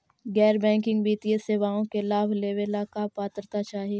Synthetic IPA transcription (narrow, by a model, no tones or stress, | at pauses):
ɡɛːɾbɛ̃ːŋkɪ̃ŋɡbiːt̪ieseʋaːõkelaːbʱleːʋelakapaːt̪ɾt̪at͡ʃaːɦieː